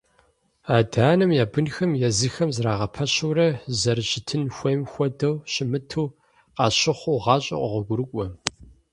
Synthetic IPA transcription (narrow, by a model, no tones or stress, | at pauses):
aːdaːnɨmjaːbɨnxɐmjɛzɨxɐmzraːʁɐpʰɐɕuɾɐzɐrɨɕɪtʰɨnxʷɐjmxʷɔdɐwɕɪmɨtʰuː | qɑːɕɪχʷuːʁɑːɕʼɐ̰ʔʷʼɔ̰ʁʷɔɡʷʊɾɨkʷʼɔ